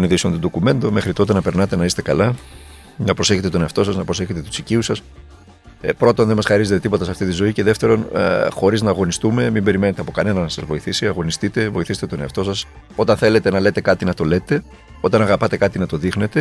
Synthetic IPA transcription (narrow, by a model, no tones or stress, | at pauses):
niðisont̪ud̪o̞kume̞nd̪o̞me̞xɾit̪o̞t̪e̞nɐpe̞ɾnɐt̪e̞nɐise̥t̪ekɐlɐ | nɐpɾo̞seçet̪et̪o̞neɐft̪o̞sɐznɐpɾo̞seçe̞t̪et̪u̥siciusɐs | pɾo̞t̪o̞nðemɐsxɐɾize̞t̪e̞t̪ipo̞t̪ɐsɐft̪it̪izo̞iceðe̞ft̪e̞ɾo̞n̰xo̞ɾiznɐːɣo̞nist̪ume̞mimbe̞ɾime̞ne̞t̪eɐpo̞kɐne̞nɐnnɐsɐzvo̞iθisiɐɣo̞nist̪it̪e̞vo̞iθiset̪et̪o̞neɐft̪o̞sɐs | o̞t̪ɐnθe̞le̞t̪enɐle̞t̪e̞kɐt̪inɐt̪o̞le̞t̪e̞ | o̞t̪ɐnɐɣɐpɐt̪e̞kɐt̪inɐt̪o̞ðixne̞t̪e̞